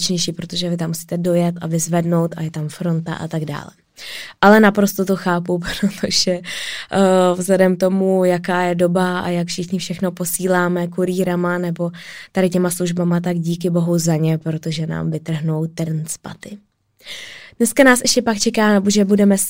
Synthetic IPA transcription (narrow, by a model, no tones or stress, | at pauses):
t͡ʃɲɛjʃiːpɾo̞t̪o̞ʒɛvɪt̪amːusi̥ːt̪ɛdo̞jɛt̪ʔavɪzvɛdno̞wt̪ʔa̰jɛt̪amfɾo̞nt̪a̰ʔa̰t̪aɡda̰ːlɛ | ʔalɛnapɾo̞st̪ot̪o̞xaːpupɾot̪ʰoʒ̥ɛ | vzlɛdɛmt̪o̞mujakaːjɛdo̞baa̰jakfʃɪxɲɪfʃɛxno̞po̞siːlaːmɛkuɾiːɾamanɛbo̞t̪adɪcɛmasluʒbamat̪aɡɟiːkɪbo̞ɦuzaɲɛpɾo̞t̪o̞ʒɛna̰ːmvɪt̪r̩ɦnowt̪r̩nspa̰t̪ɪ | d̥nɛskanaːsʔɛʃcɛpakt͡ʃɛkaːnaboʒɛbudɛmɛs